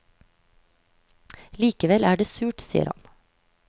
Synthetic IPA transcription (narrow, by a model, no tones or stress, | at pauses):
liːkəʋɛlæːɖeːsʉːʈsḭːə̰ɾhɑ̰n